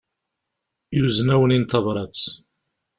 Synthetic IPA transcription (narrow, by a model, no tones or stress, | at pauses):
juznæwənint̪ɑvɾˤɑt͡s